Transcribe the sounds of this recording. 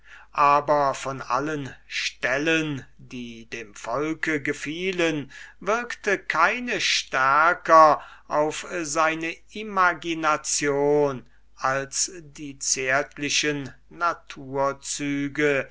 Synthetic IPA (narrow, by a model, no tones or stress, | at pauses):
ʔaːbɐfɔna̰lənʃtɛləndiːdeːmfɔlkəɡəfiːlənvɪɐktəkʰaɪnəʃtæɐkɐʔaʊfzaɪnə | imaɡinat͡sjoːn | ʔalsdiːt͡seːɐtʰlɪʃənː | atʰuːɐt͡syːɡə